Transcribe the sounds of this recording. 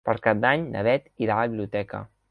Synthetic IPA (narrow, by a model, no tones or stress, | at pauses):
pəɾkad̪aɲnə̰βɛt̪iɾaəβilijut̪ɛkə̰